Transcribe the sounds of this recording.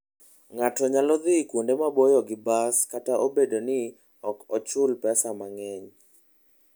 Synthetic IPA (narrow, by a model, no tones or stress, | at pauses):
ŋatɔɲalɔd̪ɪkwundemabojɔɡɪbaskataʔobedonɪ | ɔkɔt͡ʃʊlpɛsamaŋɛɲ